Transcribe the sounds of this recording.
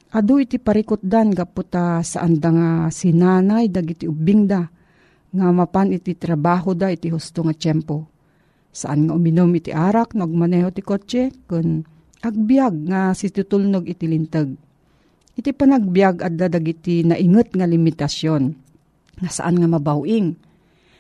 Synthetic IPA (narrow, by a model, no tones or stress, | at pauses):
ʔad̪uʔit̪ipaɾikʊt̪̚d̪anɡapʊt̪asa̰ʔand̪aŋasɪnaːnajd̪aɡit̪iʊbiŋd̪a | ŋamapanɪt̪it̪ɾabaːɦod̪aʔit̪ihʊst̪oŋat͡ʃɛmpo | sa̰ʔa̰nŋaʔʊmɪnomɪt̪iʔaːɾak̚noʔaɡ̚manɛhɦot̪ɪkot͡ʃɛkʊn | ʔaɡ̚bjaɡ̚ŋasɪt̪ut̪ulnoɡɪt̪ilɪnt̪əɡ̚ | ʔɪt̪ipanaɡ̚bjaɡʔad̪ad̪aɡit̪inaʔɪŋət̪̚ŋalimɪt̪asjon | ŋasaʔanŋamabawʔɪŋ